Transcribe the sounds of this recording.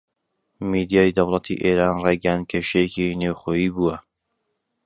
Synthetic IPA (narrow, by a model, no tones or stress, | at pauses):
mid̪ijaːjid̪ɐwlˠɑt̪ʰḭʔeːɾaːnrejɡjand̪̚kʰeʃejekineːwχoːjiːbuːwɐ